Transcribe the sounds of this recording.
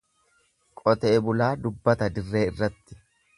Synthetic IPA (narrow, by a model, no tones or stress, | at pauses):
kʼɔt̪eːbʊlaːd̪ʊbːɐt̪ɐd̪ɪrːe̞ːɪrːɐt̪ːɪ̥